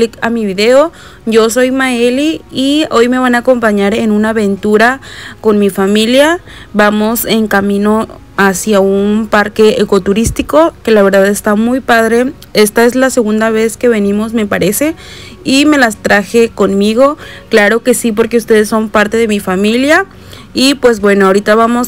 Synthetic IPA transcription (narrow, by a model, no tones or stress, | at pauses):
likamiβiðeo | ɟ͡ʝo̞s̬o̞jmaeliːojme̞βanaːko̞mpaɲaɾenunaːβe̞nt̪uɾakonmifamilja | bamo̞se̞ŋkamĩno | asjaunpaɾkeekot̪uɾist̪iko̞ke̞laβe̞ɾðaðe̞st̪amujpaðɾe̞ | e̞st̪ae̞zlase̞ɣund̪aβe̞ske̞βe̞nĩmo̞sme̞paɾe̞se̞ | ime̞last̪ɾaxe̞ko̞nmiɣ̞o̞klaɾo̞ke̞sip̬o̞ɾke̞ust̪e̞ðesːo̞mpaɾt̪e̞ðe̞mifamilja | ipwe̞zbwe̞noaoɾit̪aβamo̞s